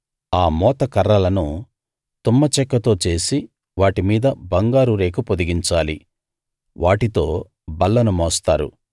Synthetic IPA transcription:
aːmɔːt̪ɐkɐɾːɐlɐnu | t̪umːɐt͡ʃɛkːɐt̪o̞ːt͡ʃe̞ːsi | ʋaːʈimiːd̪ɐbɐŋɡaːɾuɾe̞ːkupod̪iɡiɲt͡ʃaːlḭ | ʋʔaːʈit̪o̞ː | bɐlːɐnumɔːst̪aːɾṵ

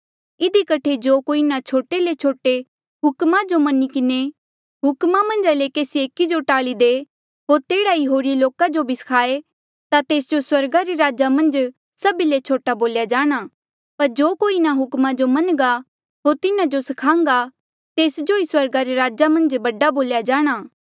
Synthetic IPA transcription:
ɪd̪ikɐʈʰed͡ʒoːkoːinat͡ʃʰoːʈelet͡ʃʰoːʈe | ɦʊkmad͡ʒomɐnikɪne | ɦʊkmamɐ̃nd͡ʒalekeːsieːkid͡ʒoʈaːɭid̪e | ɦoːɾt̪eːɽaiɦoːɾiloːkad͡ʒobʱisɐ̥kʰaːe | t̪at̪eːsd͡ʒoswɐɾɡaɾeɾaːd͡ʒamɐ̃nd͡ʒ | sɐbilet͡ʃʰoːʈaboːljad͡ʒaːɽ̃a | pɐɾd͡ʒoːkoːinaɦʊkmad͡ʒomɐnɡa | ɦoːɾt̪ɪnãd͡ʒosɐkʰãːŋ̆ɡa | t̪eːsd͡ʒoiswɐɾɡaɾeɾaːd͡ʒamɐ̃nd͡ʒbɐɖːaboːljad͡ʒaːɽ̃aː

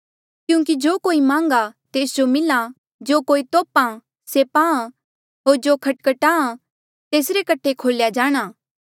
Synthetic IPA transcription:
kjũːk̬id͡ʒoːkoːimãːŋɡat̪eːsd͡ʒomɪla | d͡ʒoːkoːit̪oːpã | seːpãːã | ɦoːɾd͡ʒoːkʰɐʈkəʈaːã | t̪eːsɾekɐʈʰːekʰoːljad͡ʒaːɽ̃aː

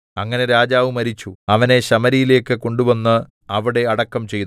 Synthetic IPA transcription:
ɐŋːɐne̞ɾaːd͡ʑaːʋɨmɐɾit͡ɕːuɐʋɐne̞ɕɐmɐɾijile̞ːkːɨko̞ɳɖuʋɐnːɨ | ɐʋiɽe̞ɐɽɐkːɐmt͡ɕe̞jt̪

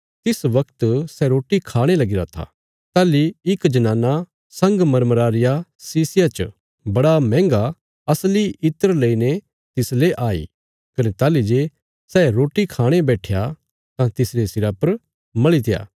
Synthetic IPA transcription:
t̪ɪsʋɐkt̪sɛɾoːʈikʰaːɽ̃elɐɡiɾaːt̪ʰa̰ | t̪aːliɪkd͡ʒɐnãːnːa | sɐ̃ŋɡmɐɾməɾaːɾɪjasiːsɪjat͡ʃ | bɐɽamɛ̃ːŋɡa | ɐsliʔɪt̪əɾleine | t̪ɪsleʔaːḭː | kɐnet̪aːlid͡ʒe | sɛɾoːʈikʰaːɽ̃ebɛːʈʰɪja | t̪ãt̪ɪslesɪɾapɐɾ | mɐɭit̪ɪja̰ː

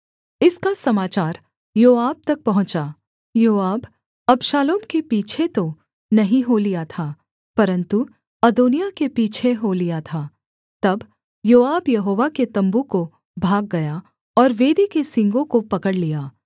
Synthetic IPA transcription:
ɪskasɐmaːt͡ʃaːɾ | joːaːb̚t̪ɐk̚pɐɦʊ̃t͡ʃaː | joːaːb | ɐbʃaːloːmkepiːt͡ʃʰet̪o | nɐɦĩɦolijat̪ʰaː | pɐɾə̃nt̪u | ɐd̪oːnijakepiːt͡ʃʰeɦolijat̪ʰaː | t̪ɐb | joːaːbjɐɦoːʋaket̪ɐ̃mbuko | bʱaːɡːɐja | ɔːɾʋeːd̪ikesɪ̃ŋɡõkopɐkəɽlijaː

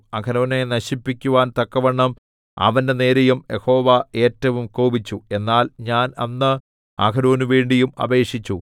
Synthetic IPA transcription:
ɐkɐno̞ːne̞nɐɕipːikʲːuʋaːnt̪ɐkːɐʋɐɳːɐm | ɐ̰ʋɐnde̞ne̞ːɾɐjumjeho̞ːʋɐe̞ːtːɐʋumkoːbit͡ɕːue̞nːaːlɲaːnɐ̰nːɨ | ɐ̰kɐɾo̞ːnuʋe̞ːɳɖijumɐ̰be̞ːʂit͡ɕːu

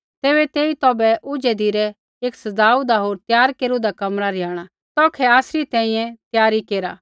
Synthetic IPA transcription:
t̪eːbɛt̪eːit̪ɔːbɛʔʊd͡ʒɛd̪ʱiɾɛ | eːksɐdaːud̪aɦoːɾt̪jaːɾkeːɾud̪akɐmɾaɾɪjaːɽ̃a | t̪ɔːkʰɛaːsɾit̪ɛ̃ːĩjɛ̃t̪jaːɾikeːɾa̰ː

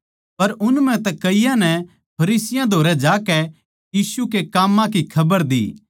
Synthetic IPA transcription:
pɐɾʊnmɛ̃t̪ɛkɐɪjãnɛ | pʰɐɾiːsɪjãd̪ʱoːɾɛd͡ʒaːkɛ | jiːsukekaːmːãkikʰɐbəɾd̪ḭː

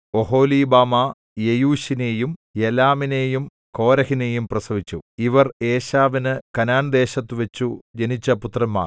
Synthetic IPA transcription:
o̞ɦo̞ːliːbaːma | jejuːɕineːjumjelaːmine̞ːjum | ko̞ːɾɐhine̞ːjumprɐsɐʋit͡ɕːuiʋɐre̞ːɕaːʋinɨkɐnaːnd̪e̞ːɕɐt̪ːuʋɐt͡ɕːud͡ʑɐnit͡ɕːɐput̪rɐmːa̰ːr

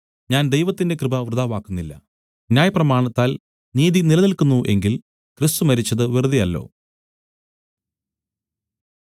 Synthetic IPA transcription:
ɲaːnd̪e̞jʋɐt̪ːinde̞krɨbɐʋrɨðaːʋaːkːunːilːɐ̰ | njaːjɐprɐmaːɳɐt̪ːaːl | niːðinilɐnilkunːuʔe̞ŋɡil | krist̪umɐɾit͡ɕːɐðɨʋirɨd̪ijɐlːo̞̰ː

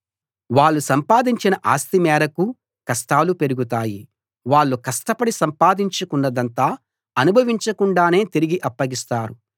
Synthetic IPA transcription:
ʋaːɭːusɐmpaːd̪iɲt͡ʃinɐʔaːst̪imɛːɾɐku | kɐsʈaːlupe̞ɾuɡut̪̬aːji | ʋaːɭːukɐsʈɐpɐɽisɐmpaːd̪iɲt͡ʃɐkuɳːɐd̪ɐnt̪aː | ɐnubʱɐʋiɲt͡ʃɐkuɳɖaːne̞ːt̪iɾiɡiʔɐpːɐɡist̪aːɾu

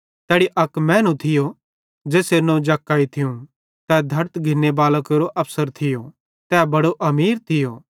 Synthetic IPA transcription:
t̪ɛːɽiʔɐkmɛ̃ːnũt̪ʰɪjo | d͡ʒeːsenõd͡ʒaːkːaːit̪ʰɪjũ | t̪ɛd̪ʱɐɾt̪ɡʱɪnːebaːləkeɾoʔɐpʰsəɾt̪ʰɪjo | t̪ɛːbɐɽoʔɐmiːɾt̪ʰɪjoː

